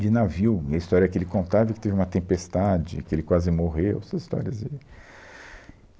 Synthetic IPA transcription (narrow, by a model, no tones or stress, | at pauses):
d͡ʒɪnaviwɐist̪ɔɾjɐkɪelɪkõnt̪avɐkɪ̥t̪evɪũmɐt̪ẽpest̪ad͡ʒɪ̰kɪelɪkwazɪmoɦewɛsɐzist̪ɔ̰ɾiɐzɪ